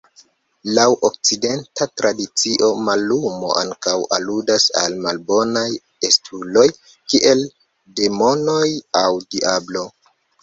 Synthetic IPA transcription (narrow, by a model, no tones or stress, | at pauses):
lawʔok̚t͡side̞ntatɾadit͡siʔo̞malumo̞̰ʔaŋkawa̰ludasa̰lmalbo̞naj | estʰulo̞j | kiʔe̞l | de̞mo̞no̞jawdiablo̞